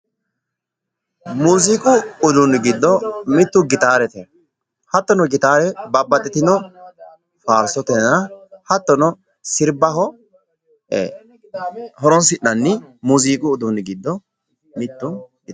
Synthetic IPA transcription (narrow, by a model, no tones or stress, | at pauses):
muːziːkʼʊːd̪ʊnɡɪd̪ːɔmɪt̪ːʊɡɪt̪aːɾɛt̪ɛ | hɐt̪ːɔnɔɡɪt̪aːɾɛbɐbːɐt̪ʼːɛt̪ɪnɔ | faːɾsɔt̪ɛnɐhɐt̪ːɔnɔ | sɪɾbɐɦɔ | hɔɾɔnsɪʔːɐnːɪmuːziːkʼʊːd̪ʊnɡɪd̪ːɔ | mɪt̪ːʊɡɪ